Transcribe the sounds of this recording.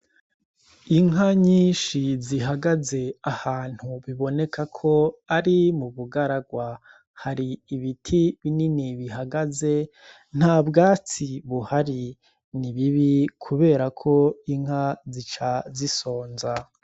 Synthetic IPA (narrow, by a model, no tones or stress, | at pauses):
iŋɦaɲiːnʃiziɦaɡaze̞ahaːn̥huβiβo̞ne̞kʰakʰo̞aɾimuβuɡaɾaɡwa | haɾiːβitʰiβininiβihaɡaze̞ | n̥haːbɡaːt͡siβuhaɾi | niβiβikʰuβe̞ːɾakʰo̞iŋhɦazit͡ʃaziso̞ːnza